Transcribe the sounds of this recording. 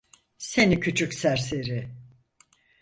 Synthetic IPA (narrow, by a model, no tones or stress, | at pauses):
se̞nicʰyt͡ʃʰycsæɾseɾɪ